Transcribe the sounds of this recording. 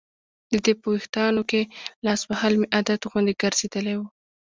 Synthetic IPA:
d̪əd̪epəwext̪ɑnokelɑsbahɑlmeʔad̪at̪ɣund̪eɡəɾz̥ed̪əlewu

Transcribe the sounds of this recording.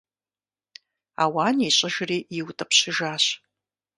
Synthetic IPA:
a̰ːwaːniɕʼɐʒriːjɪwtʼɐpɕɪʒaːɕ

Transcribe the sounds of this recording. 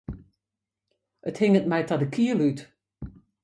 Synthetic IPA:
əthɪŋət̚mɛjtɔdəkʰiəlyt

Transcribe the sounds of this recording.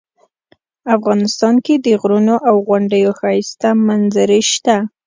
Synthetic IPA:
afɣɑnɪst̪ɑnked̪əɣɾunoʔawɣaɳɖəjoxɑjst̪amanzaɾiʃt̪a

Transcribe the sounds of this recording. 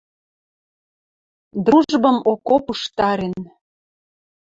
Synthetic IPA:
d̪ruʒbəmokopuʃt̪ɑɾen

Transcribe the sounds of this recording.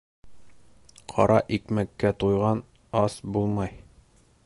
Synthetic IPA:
qʰɒ̰ɾʔɑʔikmækːæt̪ujʁɑn | ɑsbulˠmɑj

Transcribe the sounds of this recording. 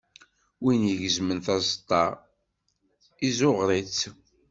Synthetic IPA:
winjəʝəzmənθɑzt̪ˤːɑ | izʊʁɾˤit͡sː

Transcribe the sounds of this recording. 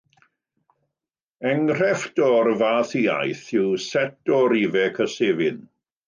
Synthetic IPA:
ɛŋr̥ɛfdɔrvaːθiːa̰jθɪwsɛtɔɾivɛkʰəseːvɪn

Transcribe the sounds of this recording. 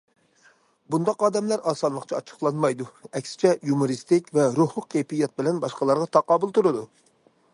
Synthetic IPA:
bund̪ɑqɑːd̪ɛmlæɾɑːsɑnlˠəqt͡ʃʰɑɑt͡ʃʰə̥χlˠɑnmɑjd̪uɛkʲsɪ̥t͡ʃʰɛjumuɾist̪ɪkʲvɛɾuhlˠʊq̚kʰɛjpijɑt̪̚bɪlɛnbɑʃqɑlˠɑɾʁɑt̪ʰɑqɑːbulˠt̪uɾɨd̪u

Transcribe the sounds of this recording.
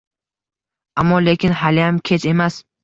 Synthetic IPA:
amːɒle̞kʲɪnhalɪjamkʲʰet͡ʃʰe̞mas

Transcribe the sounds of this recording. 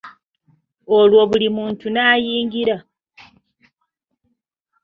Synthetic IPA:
olwo̞βulimuːntunaːjiːŋɡiɾa

